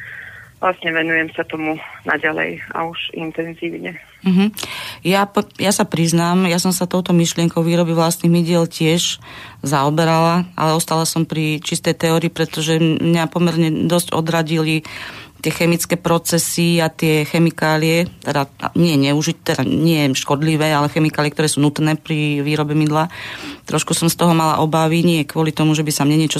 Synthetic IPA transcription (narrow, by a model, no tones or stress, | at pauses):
ʋlasɲɛʋɛnujɛmsat̪ɔmuna̰ɟalɛ̰ja̰uʃint̪ɛnziːʊɲɛ | m̩ɦm̩japjasapɾiznaːmjasɔmsat̪ɔʊt̪ɔmiʃlɪɛŋkɔʊʋiːɾɔbiʋlast̪niɣmiɟɪɛlcɪɛʒzaɔbɛɾalaa̰lɛɔst̪alasɔmpɾit͡ʃist̪ɛjt̪ɛɔɾiːpɾɛt̪ɔʒɛmɲapɔmɛɾɲɛd̪ɔscɔ̰d̪ɾaɟilit̪ɪɛxɛmit͡skɛːpɾɔt͡sɛsiat̪ɪɛxɛmikaːliɛt̪ɛd̪aɲɪɛɲɛuʒict̪ɛd̪aɲɪɛʃkɔd̪liʋɛːalɛxɛmikaːliɪɛkt̪ɔɾɛːsuːnut̪nɛːpɾiʋiːɾɔbɛmid̪lat̪ɾɔʃkusɔmst̪ɔɦɔmala̰ʔɔbaʋiɲɪɛkʋɔlit̪ɔmuʒɛbisamɲɛɲɪɛt͡ʃɔ